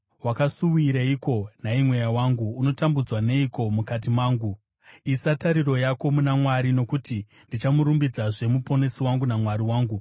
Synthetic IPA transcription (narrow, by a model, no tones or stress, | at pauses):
wakasuwiɾaiko̞naimwe̞jawaːŋɡuːno̞tambud͡zwane̞iko̞mukat̬imaːŋɡu | isataɾiro̞jako̞munamwaɾino̞kuti | ndit͡ʃamuɾumbid͡zaʐe̞mupo̞ne̞siwaŋɡunamwaɾiwaːŋɡu